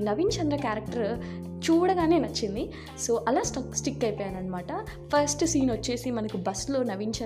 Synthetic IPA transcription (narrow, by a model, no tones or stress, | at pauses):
nɐʋint͡ʃɐnd̪ɾɐkjaːɾɐk̚ʈɐɾ | t͡ʃuːɽɐɡaːne̞ːnɐt͡ʃːind̪i | so̞ːʔɐlaːsʈɐksʈikːɐjpɔːjaːnɐnɐmaːʈɐpʰɐɾsʈsiːnʋɐt͡ʃːe̞ːsimɐnɐkubɐslo̞ːnɐʋint͡ʃɐ